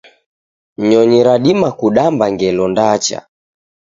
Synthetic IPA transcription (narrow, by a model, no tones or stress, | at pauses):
ɲɔɲiɾaɗimakuɗambaŋɡɛlɔndat͡ʃa̰